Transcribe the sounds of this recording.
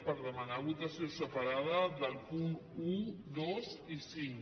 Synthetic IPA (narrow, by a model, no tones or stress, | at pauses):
pəɾðəmənaβut̪əsiosəpəɾað̞əðəlˠpunuðozisiŋ